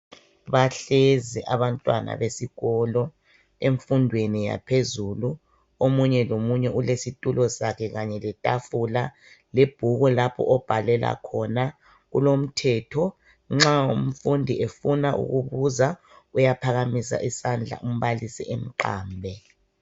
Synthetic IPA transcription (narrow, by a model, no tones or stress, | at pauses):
βaɬɛzɛʔaβantʼwa̰na̰βesiɣɔlɔ | eɱfundʱwenija̰pʰezulu | omuɲɛlomuɲɛʔulesitʼulɔsakʰɛɣaɲɛlɛtʼafula | leb̥ʱuɣɔlapʰɔ̰ʔɔb̥ʱalɛla̰kʰɔna | ɣṵlom̩tʰɛtʰɔ | ŋ͡ǁaum̩fundʱiefunaʔṵɣuβuza | ujapʰaɣamisa̰ʔisand͡ɮʱa̰ʔum̩βalisiʔem̩ǃa̰ːmbʱɛ